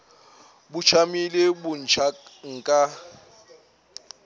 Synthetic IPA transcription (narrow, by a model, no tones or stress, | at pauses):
bʊt͡ʃʰamilebʊn̩t͡ʃʰaŋ̩kʼa